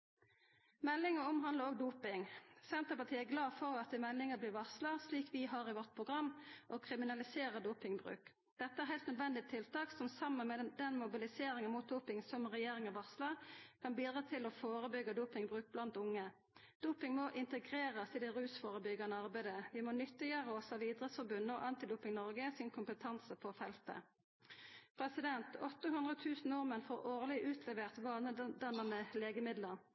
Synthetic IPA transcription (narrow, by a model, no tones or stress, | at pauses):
mɛlːɪŋəʊmɦɑnd̪əʁoːɡ̚d̪uːpɪŋsɛnt̪əpɑt̪ʰiːəæɡlɑːfɔʁɑt̪̚d̪ɪmɛlːɪŋəbliːʋɑʁslɑsliːkʰʋɪɦɑʁɪʋɔʁt̪̚pʰʁʊɡʁɑmːʔɔkʰʁɪmɪnɑlɪseːʁəd̪uːpɪŋbʁʉ̰ːk | d̪̥ɛt̪ːəæɾɦæɪlt̪nœd̪ʋɛnd̪ɪt̪ʰɪlt̪ɑːksɔmsɑmːənmɛd̪ɛnmʊbɪlɪseːɾɪŋənmuːt̪̚d̪uːpɪŋsɔmʁɛjeːʁɪŋəʋɑʁsləkʰɑnbiːd̪ʁɑːt̪ʰɪlɔfoːʁəbʏɡːəd̪uːpɪŋbʁʉːk̚blɑnt̪ʊŋːə | d̪̥uːpɪŋmɔʔɪnt̪əɡʁeːʁəsɪd̪ɪʁʉːsfoːʁəbʏɡəʁnəɑʁbæɪd̪əʋɪmonʏt̪ːɪjøːʁəɔsɑʋiːd̪ʁət̪sfɔʁbʉnːɔ̰ːʔɑnt̪ɪd̪uːpɪŋnɔʁɡəsɪnkʰʊmpət̪ʰɑnsəpʰɔfɛlt̪ə̰ | pʰʁɛsɪd̪ɛnt̪ɔt̪ːəɦʉnd̪ʁət̪ʰʉːsn̩noʁmənfoːʁoːʁlɪʔʉːt̪ʰlɛʋeːʁt̪ʋɑːlnəd̪ɑnənəleːɡəmɪd̪ləʁ